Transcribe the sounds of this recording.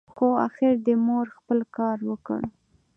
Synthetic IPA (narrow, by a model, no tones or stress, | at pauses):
xoa̰xɪɾd̪əmoɾxpəlkɑɾwəkə̰ɽ